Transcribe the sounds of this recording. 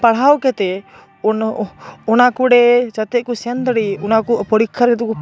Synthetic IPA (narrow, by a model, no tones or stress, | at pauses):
paɽ̤ɦawkɛt̪ɛ | ɔnakuɽɛt͡ʃat̪ɛt̪̚kɔsɛnd̪əɽiɔnakɔpəɽikʰːəɾɡɛt̪ukɔ